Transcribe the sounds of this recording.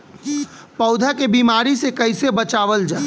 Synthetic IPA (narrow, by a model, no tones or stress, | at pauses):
pəʊd̪ʱakebiːmaːɾisekɐɪsebət͡ʃaːʋəld͡ʒaː